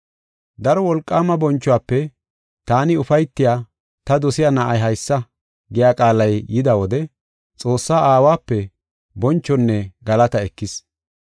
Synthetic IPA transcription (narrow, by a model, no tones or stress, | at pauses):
d̪ɐɾɔwɔlkʼːaːmɐbɔnt͡ʃːʊwaːpːɛ | t̪aːnɪʊfɐjt̪ːɪjaː | t̪ɐd̪ɔsɪjaːnaʔɐjɦɐjsːɐ | ɡɪjaːkʼaːlɐjjɪd̪ɐwɔd̪ɛ | t͡sʼo̞ːsːaːʔaːwaːpːɛ | bɔnt͡ʃːɔnːɛɡɐlɐt̪ɐɛkːɪs